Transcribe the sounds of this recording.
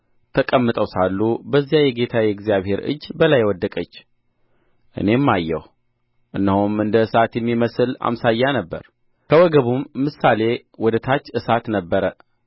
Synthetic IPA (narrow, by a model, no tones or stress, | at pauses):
t̪ʰəkʼəmːɨt̪ʼəwsalːubəzːijajɛɡe̞t̪ʰajɛɡzijaβhe̞ɾɨ̰d͡ʒːbəlajːwɔd̪ːəkʼət͡ʃː | ʔɨ̰ne̞mːajːɛ̰w | ʔɨnːəhumɨnd̪əɨsat̪jɛmːiməsɨla̰msajːanəbːə̰ɾ | kʰəwɔɡəβumːɨsːale̞ | wɔd̪ət̪ʰat͡ʃːɨsat̪nəbːəɾə